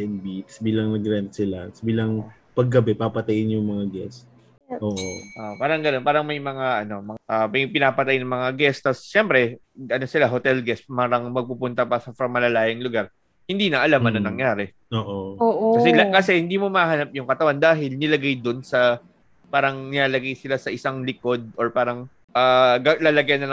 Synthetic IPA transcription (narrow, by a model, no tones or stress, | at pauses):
ɛnbit̪sbiːlɐŋnɐɡɾɛnt̪̚sɪlasbiːlɐŋ | pɐɡːɐbɛpapɐt̪ɐjɪnjʊŋmɐŋaɡɛst̪̚ | ʔoːʔoʔoʔpaːɾɐŋɡɐnonpaːɾɐŋmɐjmɐŋaʔɐno̞mɐʔɐmɐjpɪnaːpɐt̪ɐajɪnɐŋmɐŋaɡɛst̪ɐsʃɛmpɾɛ | ʔɐno̞sɪlaɦo̞t̪ɛlɡɛspaːɾɐŋmɐɡ̚pupʊnt̪ɐpɐsɐfɾɐŋmɐlɐlaːjɪŋlʊɡaɾ | hɪnd̪iːnɐʔɐlamɐnɐnɐŋjaːɾɛ | oːʔooːʔokɐsɛlɐkɐsɛhɪnd̪iːmo̞mɐaɦɐnap̚jʊŋkɐt̪ɐwand̪aːɦɪlnɪlɐɡajd̪onsɐ | paːɾɐŋnɪaːlɐɡajsɪlasɐʔɪsaŋlɪko̞d̪̚ʔoɹpaːɾɐŋ | ʔaːɡalaːlɐɡajɐnːɐl